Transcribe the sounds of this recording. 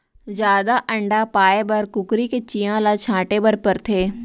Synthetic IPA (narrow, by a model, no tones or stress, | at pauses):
zjaːd̪aʔə̃ɳɖapaːebəɾkʊkɾiket͡ʃijãːlat͡ʃʰãːʈebəɾpəɾt̪ʰeː